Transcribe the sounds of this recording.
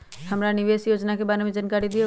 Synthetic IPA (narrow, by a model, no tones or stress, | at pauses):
hɐmɾanɪʋeːsjoːd͡ʒnakebaːɾemẽd͡ʒənkaːɾid̪i